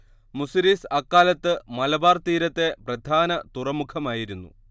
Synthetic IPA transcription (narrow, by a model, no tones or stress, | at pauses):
musɾiːsɐkːaːlɐt̪ːɨmɐlɐbaːrt̪iːɾɐt̪ːe̞prɐd̪ʱaːnɐt̪urɐmukʰɐmaːjiɾunːṵ